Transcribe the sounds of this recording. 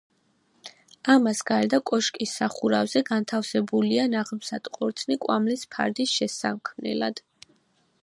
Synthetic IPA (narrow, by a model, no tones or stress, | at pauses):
amasɡaɾɛd̪akʼɔʃkʼisːaχuɾavzɛɡant̪ʰafsɛbulianaʁmsat̪ʼqʼɔɾt̪sʰnikʼwamlispʰa̰ɾd̪isʃɛsamkʰmnɛ̰lad̪̥